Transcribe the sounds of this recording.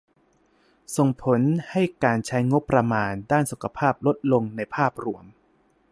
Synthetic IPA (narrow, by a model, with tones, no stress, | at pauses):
so˨˩ŋpʰo˩˦nha˥˩jkaː˧nt͡ɕʰa˦˥jŋo˦˥pːɾa˧maː˧ndaː˥˩nsu˨˩kʰa˧pʰaː˥˩p̚lo˦˥t̪̚lo˧ŋna˧jpʰaː˥˩p̚ɾu˧˩əm